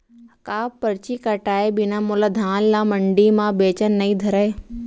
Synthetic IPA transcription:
kaːpɐɾt͡ɕikəʈaːebɪnamolad̪ʱaːnlãːmɐ̃ɳɖimãbeːt͡ɕənːɐĩd̪ʱɐɾəe

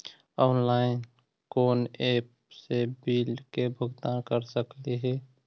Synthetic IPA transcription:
ɔːnlaːɪn | koːneːp | sebiːlkebʱʊɡt̪ãnkəɾsəkliɦɛː

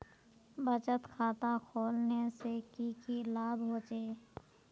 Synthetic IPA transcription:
bət͡ʃət̪kʰaːt̪akʰoːlnesekikilaːbɦoːt͡ʃeː

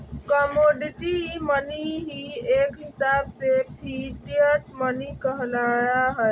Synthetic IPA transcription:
kɔmoɖiʈiməniɦiekɦisabsepʰiliəʈmənikəɦlajaɦɔj

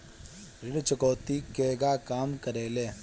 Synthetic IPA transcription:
ɾɪɽt͡ʃəkoːt̪ikeːɡakaːmkɐɾeːleː

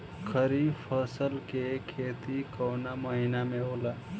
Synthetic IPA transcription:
kʰəɾipʰəsəlkekʰeːt̪ikəːnaməɦinamẽoːla

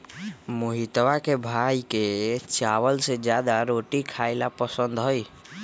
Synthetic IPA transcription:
mʊɦit̪wakebʱaːiket͡ʃaːwəlsed͡ʒjaːd̪aɾoːʈikʰaːɪlapəsə̃nd̪ɦɔi

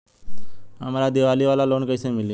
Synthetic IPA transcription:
ə̰maɾad̪iʋaliʋalaloːnkəjsẽmɪlje

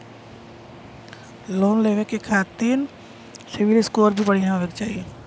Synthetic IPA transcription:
loːnleːʋekekʰaːt̪iːn | sɪʋɪlɪskoːɾbʱipɐɽiɦãləkt͡ʃaːɦieː

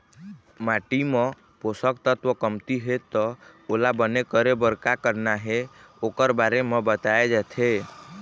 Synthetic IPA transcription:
maʈime | posəkt̪ət̪ʋəkəmt̪iɦet̪ɔolabənekəɾebəɾkakəɾnaɦe | okəɾbaɾemebət̪aed͡ʒɛt̪ʰe

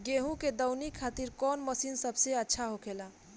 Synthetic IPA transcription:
ɡeɦũked̪əwnikʰat̪iɾkɔnməsinsəbseətːʃʰaɦokʰela

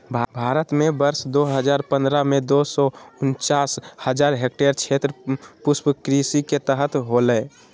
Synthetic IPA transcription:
bʱbʱaɾət̪mebəɾsd̪oɦəd͡ʒaɾpə̃nd̪ɾamed̪osɔʊnt͡ʃashəd͡ʒaɾɦek̚ʈeɾt͡ʃʰet̪ɾəpuspkɾisiket̪əɦət̪ɦolə

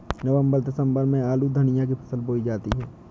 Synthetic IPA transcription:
nəʋə̃mbəɾd̪ɐsə̃mbəɾmẽaːlud̪ʱɐnijãk̬ipʰɐ̥səlboːid͡ʒaːt̪iɦɛː

